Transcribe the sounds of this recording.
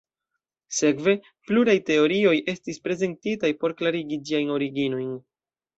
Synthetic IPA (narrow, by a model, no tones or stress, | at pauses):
se̞kve̞ | pluɾajte̞o̞ɾio̞jʔe̞stispɾe̞ze̞ntitajpo̞ɾklaɾiɡid͡ʒiajno̞ɾiɡino̞jn